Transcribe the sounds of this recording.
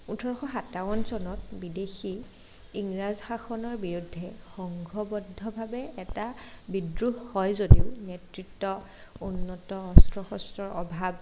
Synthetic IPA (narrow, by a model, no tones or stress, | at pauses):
utʰɔɹɔxɔxatawɔnzɔnɔtbidexi | iŋɹazxaxʰɔnɔɹbiɹudʱːɛxɔŋɡʱɔbɔdʱːɔbʱabɛɛtabidɹuɦːɔjzodiʊnetɹitːɔ | unːɔtɔɔstɹɔxɔstɹɔɹɔbʱab̚